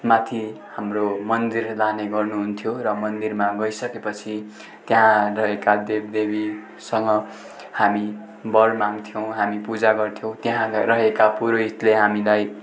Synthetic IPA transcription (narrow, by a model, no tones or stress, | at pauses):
mat̪ʰihamromʌnd̪irlaneɡʌrnuɦunt̪ʰjoɾʌmʌnd̪irmaɡʌisʌkepʌt͡sʰi | t̪jaɦãrʌɦekad̪eb̚d̪ebi | sʌŋɡʌ | hami | bʌlmaŋt̪ʰijʌw̃ɦamipud͡zaɡʌrt̪ʰjõw̃t̪jɦãɾʌɦekapuɾoɦit̪leɦamilaj